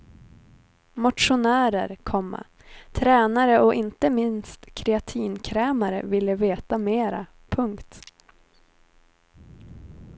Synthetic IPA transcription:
mʊt̪ʂʊnæːɾə̰ɾkʰɔmːa̰ | t̪ʰɾɛːnaɾəʔɔʔɪnt̪əmɪnst̪kʰɾɛat̪ʰiːnkʰɾɛːmaɾə̰vɪlːəveːt̪ameːɾa̰ | pʰɵŋkt̪

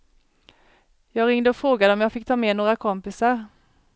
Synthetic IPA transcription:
jɑːɡɾɪŋd̪əɔfɾoːɡad̪əɔmjɑːɡfɪk̚ːt̪ʰɑːmeːnoːɾakʰɔmpɪsaɾ

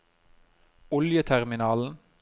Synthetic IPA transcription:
ɔljət̪ʰæʁmɪnɑːln̩

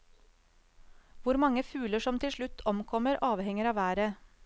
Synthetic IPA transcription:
ʋʊɾmɑŋəfʉːləʂɔmt̪ʰɪlʃɭʉt̪ʰɔmkʰɔməɾʔɑːʋhɛŋəɾɑːʋæːɾə

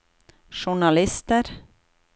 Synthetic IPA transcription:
ʂʊɳalɪst̪əɾ

